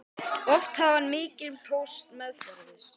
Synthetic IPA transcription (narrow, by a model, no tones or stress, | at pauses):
ɔft̪havanmɪːcɪlpʰowst̪mɛθ